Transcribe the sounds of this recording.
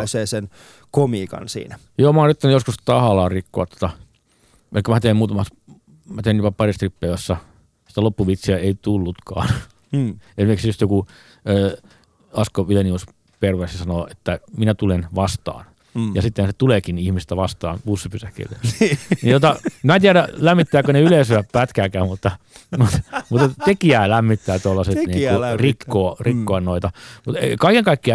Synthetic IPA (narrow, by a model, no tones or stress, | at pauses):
seːsen | komiːkɑ̰nsḭːnæjoːmɑoːnrit̪ːænyjoskust̪ɑhɑlɑːrrikːoɑt̪ːo̥t̪ɑ | ʔḛlikːæmæt̪eimmuːt̪ɑmɑs | mæt̪eˑinjopɑpɑrist̪ripːeʋæsːɑ | si̥t̪ælopːuʋit̪siæeit̪ulːut̪kɑ̰ːn | ensimeksjust̪joku | øː | ɑskoʋilenius | perʋessɑnoːʔet̪ːæminæt̪ulenʋɑst̪ɑ̰ːn | jɑsit̪ːehnset̪uleːkinihmist̪æʋɑst̪ɑ̰ːnpusːipysækḭlːenint̪ot̪ɑmæːnt̪iæɾælæmːit̪ːæːkoneyleːsyæppæt̪kæːkæːmut̪ːɑmut̪mut̪et̪t̪ekiæːlæmːit̪ːæːt̪uolːɑset̪niːkurikːoːrikːoɑnnoit̪ɑmut̪ḛkɑikeŋkɑikːiɑ